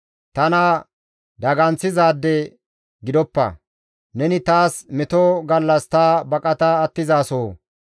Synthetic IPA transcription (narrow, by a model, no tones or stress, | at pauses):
t̪ɐnɐ | d̪ɐɡɐnt͡sːɪzaːd̪ːɛ | ɡɪd̪ɔpːɐ̰ | nɛnɪt̪aːsmɛt̪ɔɡɐlːɐst̪aːbɐkʼɐt̪ɐːt̪ːɪzaːsoː